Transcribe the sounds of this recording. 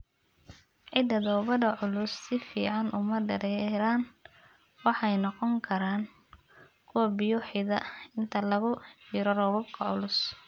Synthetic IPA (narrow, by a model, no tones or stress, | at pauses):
ʕɪd̪ɐd̪ɔːβɐðɐʕʊlʊsːɪfiːʕɑnʔʊmɐɖɐɾɛɾaːn | wɑħɑjnɑqɔŋkʰɐɾaːn | kʰʊwɐbɪjʊħɪðɐɪnt̪ʰɐlɐɣʊħiːɾɔrɔːβɐb̚kʰɐʕʊlʊs